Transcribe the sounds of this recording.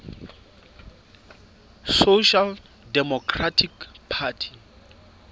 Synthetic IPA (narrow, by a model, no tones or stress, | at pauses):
soʃal | dɛmɔkʰratʰikpʰatʰi̥